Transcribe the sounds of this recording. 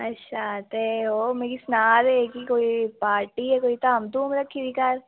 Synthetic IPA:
ɐtːʃʰat̪eɦoːmeːɾisnaːd̪ɦekikoːipaːɾʈiɦɛkoːit̪amd̪umɾɐkʰːid̪ikɐɾ

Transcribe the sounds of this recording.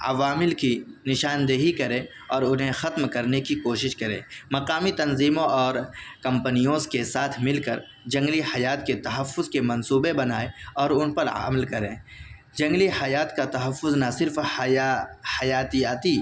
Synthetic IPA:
ɐ̰ʋaːmɪlkinɪʃaːnd̪eɦikɐɾẽ | ɔːɾʊnɦẽxɐt̪mkɐɾnekikoːʃɪʃkɐɾḛ̃ːmɐqaːmit̪ɐnziːmõʔɔːɾkɐ̃mpənijõskesaːt̪ʰmɪlkɐɾ | d͡ʒɐ̃ŋɡlihɐjaːt̪ket̪ɐɦɐfːʊzkemɐ̃nsuːbebɐnaːeɔːɾʊnpɐɾa̰mlkɐɾẽː | d͡ʒɐ̃ŋɡlihɐjaːt̪kat̪ɐɦəfːʊznasɪɾf | hɐjaːt̪ijaːt̪i

